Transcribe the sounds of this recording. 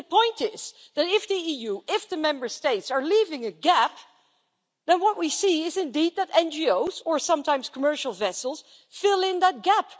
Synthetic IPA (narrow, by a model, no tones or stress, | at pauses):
əpʰɔ̃ɪ̃ntɪz̥ | ðɨɾɪfðiijʉɪfðɨmɛ̃mbə˞steɪtsə˞livɪ̃ŋɨɡæp̚ | ðɨ̃nwʌt̚wisiɪzɨ̃ndid̪̚ðɨɾɛ̃nd͡ʒioʊzə˞sʌ̃mtʰãɪ̃msz̥kʰəmɜ˞ʃl̩ˠvɛsl̩ˠz̥ | fɪlˠɪ̃nðət̚ɡ̥æp